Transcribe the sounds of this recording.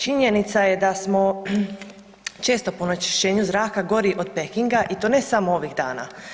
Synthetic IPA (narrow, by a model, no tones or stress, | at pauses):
t͡ʃiɲe̞nit̪saje̞d̪asmo̞ | t͡ʃe̞ːst̪o̞ponat͡ʃi̥ʃe̞ːɲuzɾaːkaɡo̞ɾiʔo̞d̪̥pekiŋɡaʔit̪o̞ːne̞samoo̞ʋiɣd̪a̰ːna̰